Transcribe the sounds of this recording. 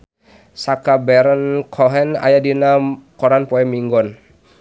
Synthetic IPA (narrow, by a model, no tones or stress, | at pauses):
sakabɛɾənkʰɔɦɛna̰jadinakɔɾanpɔɛmiŋɡɔn